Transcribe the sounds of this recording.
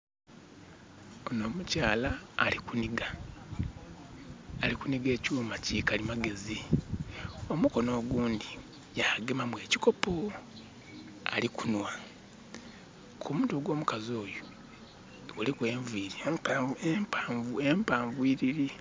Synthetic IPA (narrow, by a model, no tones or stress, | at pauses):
onoːmucaːlaːlikuniɡa | likuniɡe̞ːcuːmacikalimaɡe̞zi | o̞muko̞no̞ːɡuːndi | jaːɡemamwe̞ːci̥ko̞po | a̰likunwa | kʰumutoɡwo̞ːmukazo̞ːjo | olikweːɱviɾi | uempaːɱvwiɾiɾi